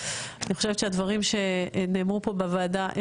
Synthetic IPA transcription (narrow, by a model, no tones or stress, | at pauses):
aniχo̞ʃevett͡ʃʃeadvaʁimʃe̞neːmʁupo̞bevaːdaʔe